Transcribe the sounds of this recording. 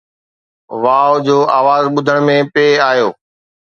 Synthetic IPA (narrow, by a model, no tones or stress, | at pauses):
ʋaːod͡ʑoːʔaːʋaːzɓʊd̪ʱəɽ̃mẽpeːaːɦjoː